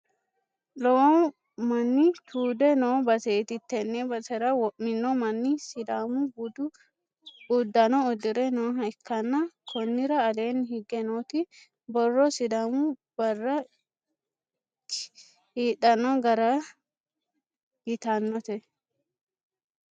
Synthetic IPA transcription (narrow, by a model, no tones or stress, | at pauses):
lɔwɔ | mɐnːit̪ʰuːd̪ɛnobɐsɛt̪ɪt̪ːɛnːɛbɐsɛɾɐwɔʔːɪnːɔmɐnːisɪd̪aːmubʊd̪ʊ | ud̪ːɐnɔːd̪ɪɾɛnoːɦɐɪkːɐnːɐkʰɔnːɪɾɐːleːnhɪɡɛnoːt̪ɪ | bɔrːɔsɪd̪amub̥ɐrːɐ | hiːᶑɐnɔɡɐɾɐ | hɪt̪anːɔt̪ɛ